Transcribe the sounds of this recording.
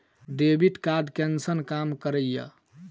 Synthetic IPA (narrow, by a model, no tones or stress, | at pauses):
ɖebiʈkad̪kɛnsənkamkəɾəjə̰